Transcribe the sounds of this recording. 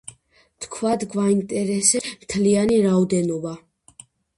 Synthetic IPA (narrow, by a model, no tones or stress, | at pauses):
t̪ʰkʰvad̪ɡvaint̪ʼɛɾɛsɛmt̪ʰlianiɾaɔd̪ɛnɔba